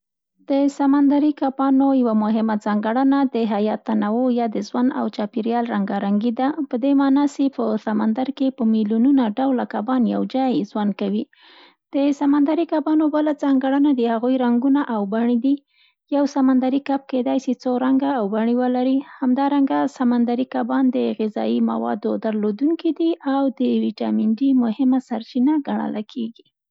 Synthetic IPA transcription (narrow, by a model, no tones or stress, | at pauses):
d̪̥əsamand̪aɾikapɑnojawamʊɦɪmad͡zɑŋɡaɽənad̪əɦajɑt̪ːanawojɑd̪əzwana̰wt͡ʃɑpiɾjɑlɾaŋɡaɾaŋɡid̪apəd̪emɑnɑsepəsamand̪aɾkepəmiljununaɖawlakabɑnja̰wd͡ʒɑjzwankawi | d̪̥əsamand̪aɾikabɑnobalad͡zɑŋɡaɽənad̪əhaɣujɾaŋɡunaʔawbaɳid̪i | jawsamand̪aɾikap̚ked̪ɑjsit͡soɾaŋɡaːwbaɳiwəlaɾihamd̪ɑɾaŋɡasamand̪aɾikabɑnd̪əɣɪzɑ̰ima̰wɑ̰d̪od̪aɾlod̪uŋkid̪iʔawd̪əwiʈɑ̰miɳɖimʊhɪmasaɾt͡ʃinaɡaɳə̰lakʰeɡi